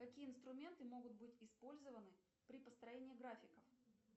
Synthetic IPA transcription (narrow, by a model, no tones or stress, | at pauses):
kɐkʲijəɪnst̪ɾʊmʲe̞nt̪ɨmo̞ɡʊt̪̚bɨtʲɪspo̞lʲzəvənɨ | pɾʲɪpəst̪ɾɐjenʲɪːɡɾafʲɪkəf